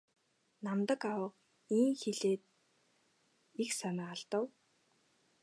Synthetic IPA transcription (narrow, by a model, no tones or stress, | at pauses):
namt̪ə̆kawə̆q | iːŋxeɮeːt̪̚ | ixksanaːɮt̪ə̆w